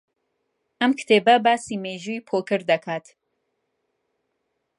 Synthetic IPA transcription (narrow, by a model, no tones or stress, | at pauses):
ʔɐmkt̪ʰeːbɐbaːsiːmeːʒuipʰoːkɨɾd̪ɐkʰaːt̪